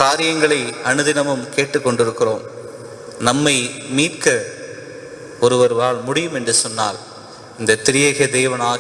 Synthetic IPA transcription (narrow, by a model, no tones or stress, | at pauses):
kaːɾɪjɐŋɡɐɭɐɪɐnɯðɪnɐmɯmkeːʈːɯkːɔɳɖɪɾɯkːɪroːm | nɐmːɐɪmiːrkɐ | ɔɾɯʋɐɾʋaːɭmʊɽɪjɯmɛndrɯsɔnːa̰ːl | ɪnd̪ɐt̪ːɪɾɪjɐɣɐd̪eːʋɐnaː